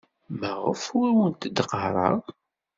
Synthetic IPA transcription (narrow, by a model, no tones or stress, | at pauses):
mæʁəfʊɾwənt̪əd̪əqəɾˤɑ̰